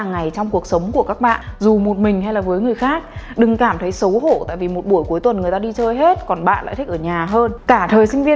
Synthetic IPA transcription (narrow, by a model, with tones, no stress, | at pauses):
ŋːa˨˩jt͡ɕɔ˧wŋ͡mku˨˩ək̚sə˨˦wŋ͡mku˧˩əkaː˦˥k̚ɓa̰ː˧˨nzu˨˩mo˨˩t̚mï˨˩ŋ̟ɦa˧jlaː˨˩vəː˨˦jŋɨ˨˩əjxaː˦˥k̚ɗɨ˨˩ŋkaː˧˩mt̪ʰə˨˦jsə˨˦who̰˧˩t̪a̰ː˧˨jvi˨˩mo˨˩t̚ɓu˧˩əjku˨˦jt̪wə˨˩nŋɨ˨˩əjt̪aː˧ɗi˧t͡ɕəː˧jɦe˦˥t̚kɔ˨˩nɓa̰ː˧˨nla̰˧˨t̪ʰï˦˥k̚ʔəː˧˩ɲaː˨˩ɦəː˧nkaː˧˩t̪ʰəː˨˩jsï˧ŋ̟vi˧ə